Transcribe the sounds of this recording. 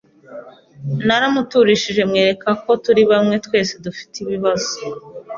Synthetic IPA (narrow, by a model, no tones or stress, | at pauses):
naɾamutuɾiʃiʒe̞mŋe̞ːɾe̞kako̞tuɾiβamŋe̞twe̞ːse̞dufi̥tiβiβazo